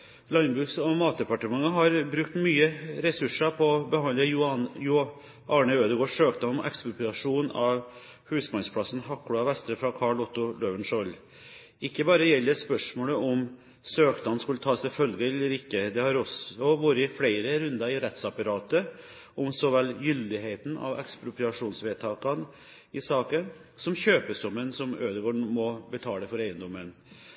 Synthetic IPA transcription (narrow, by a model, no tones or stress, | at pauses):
lɑnbʉːksɔmɑːt̪̚d̪ɛpɑʈəmɑŋːəɦɑɾbɾʉk̚t̪myːəɾɛsʉʂəpʰɔɔbəhɑnlənjʊ | ʔɑːɳəøːd̪əɡoːʂøːk̚d̪ɑnɔmʔɛ̰kspɾʊpʉlɑʂuːnɑʋ | hʉːsmɑnspʰlɑsn̩hɑkːlɑʋɛst̪ɾəfɾɑkʰɑɭɔt̪ːʊløːʋənʂɔlː | ɪkːəbɑːɾəjɛlːəspœʂmoːləʔɔm | søːkd̪ɑnskʉlːət̪ʰɑːsɛfœlɡəɛlːəɾɪkːəd̪ɛhɑɾɔsɔʋuːɾəɪflæɪɾəɾʉnd̪ɑɪɾɛt̪sɑpɑɾɑːt̪ə | ɔmsɔʋɛlːjʏld̪ɪɦeɪt̪n̩ɑ̰ʋɛ̰kspɾʊpɾɪɑʂuːnsʋeːt̪ʰɑːkɑn | ɪsɑːkən | sɔmçøːpəsɔmːənsɔmøːd̪əɡoːɳmɔbət̪ʰɑːləfɔɾæɪənd̪ɔmːən